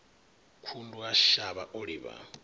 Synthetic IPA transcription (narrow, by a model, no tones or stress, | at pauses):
kʰunduaʃaβaʔoɺiβa̰